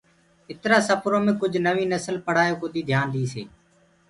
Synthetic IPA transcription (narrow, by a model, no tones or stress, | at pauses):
ɪt̪ɾaːsəpʰɾõːmẽːkʊd͡ʒʱnəʋĩːnəsəlpəɽ̤aːjoːkod̪iːd̪ʱjaːnd̪iːsḛː